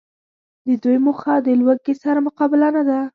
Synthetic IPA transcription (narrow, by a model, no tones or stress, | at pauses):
d̪əd̪ujmʊxad̪əlwəɡesaɾamʊqɑbɪlanad̪a